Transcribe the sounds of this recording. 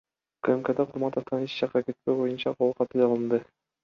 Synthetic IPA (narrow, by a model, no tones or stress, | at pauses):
kemked̪ɑqʰuɾmɑnt̪ɑt̪ɑniʃt͡ʃɑqːɑke̞t̪̚pe̞jbo̞junt͡ʃɑqʰolˠqʰɑt̪ɯlɑlˠɯnd̪ɯ